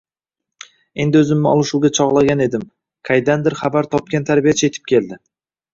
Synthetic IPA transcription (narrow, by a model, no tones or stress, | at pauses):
e̞nd̪ɪɵzɪmnɪɒ̰lˠɪʃuɡʲat͡ʃʰɒʁlˠaɡʲane̞d̪ɪm | kʲʰajd̪and̪ɪɾχabaɾt̪ʰɒp̚kʲant̪ʰaɾbijat͡ʃʰe̞t̪ʰɪ̥p̚kʲʰe̞ld̪ɪ